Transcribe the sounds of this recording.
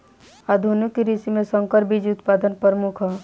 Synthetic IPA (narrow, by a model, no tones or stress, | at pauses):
ad̪ʱunukiɾisimẽsə̃ŋkəɾbʱid͡ʒʊt̪paːd̪ənpəɾmukʰɦɛ